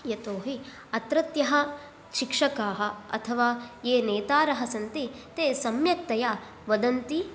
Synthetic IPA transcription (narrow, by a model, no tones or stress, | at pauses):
jɐt̪oːɦi | ɐt̪ɾɐt̪jɐɦɐ̆ | ʃikʂɐkaːɦɐ̆ɐ̰t̪ʰɐʋaːjeːneːt̪aːɾɐɦɐsɐnt̪it̪eːsɐmjɐk̚t̪ɐjaː | ʋɐd̪ɐnt̪i